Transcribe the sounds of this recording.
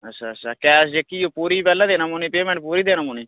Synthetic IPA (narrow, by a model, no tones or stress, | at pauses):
ətːʃʰaːəʃʰaːkɛːsd͡ʒekːiːjoːpuːɾiːpɛːlːãːd̪eːnãːmoːniːpeːmɛ̃ɳʈ̚puːɾiːd̪eːnaːmoːniː